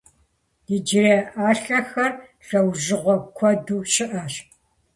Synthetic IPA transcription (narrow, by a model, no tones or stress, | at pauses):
diːd͡ʒɪrɐʔaːɬɐxɐrɬɐwʒɪʁʷɔkʷʰɔduːʃɪʔɐɕ